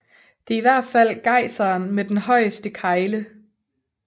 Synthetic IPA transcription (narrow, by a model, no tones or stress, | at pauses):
d̥e̝iʋæɐ̰d̥fæl̰ɡ̥ɑ̈ɪsɐːnmed̥enhɒ̽ɪ̰əsd̥əkʰɑ̈ɪlə